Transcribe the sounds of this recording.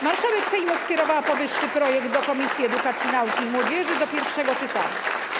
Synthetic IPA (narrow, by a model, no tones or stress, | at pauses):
maɾʂawɛksɛjmɔfskʲɛɾɔvawpɔvɘʂːɘpɾɔjɛɡd̪̚d̪ɔkɔmʲisʲjiɛd̪ukat̪sʲjinaukʲimwɔd͡ʑɛʐɘd̪ɔpʲjɛɾfʂɛɡɔt͡ʂɘt̪a̰ɲa̰